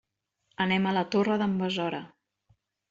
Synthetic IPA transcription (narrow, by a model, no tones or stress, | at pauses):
ənɛmələt̪orəðəmbəzɔɾə